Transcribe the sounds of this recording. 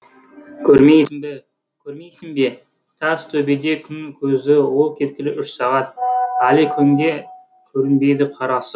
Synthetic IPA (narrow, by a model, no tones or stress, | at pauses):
kʲʰɵɾmejɪŋbe | kʲʰɵɾmejsɪŋbe̞ | t̪ʰɑst̪ʰɵbed̪e̞kʲʰʏnɪkʲʰɵzɪwo̞lˠkʲʰe̞t̪̚kʲɪlɪʔʏʃsɑʁɑt̪̚ælek̪ʲʰe | kʲʰɵɾɪnbe̞jd̪ɪqʰɑɾɑsə